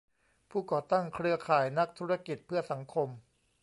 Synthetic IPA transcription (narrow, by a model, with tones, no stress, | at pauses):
pʰuː˥˩kɔː˨˩t̪a˥˩ŋkʰɾɯ˧ɐkʰaː˨˩jna˦˥k̚t̪ʰuː˦˥ɾa˧ki˨˩t̪̚pʰɯ˥˩ɐsa˩˦ŋkʰo˧m